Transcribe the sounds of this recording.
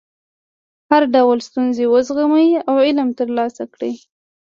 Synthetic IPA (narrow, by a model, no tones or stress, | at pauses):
haɾɖawlst̪unzewəzɣamajiawɪlmt̪əɾlɑsakɽi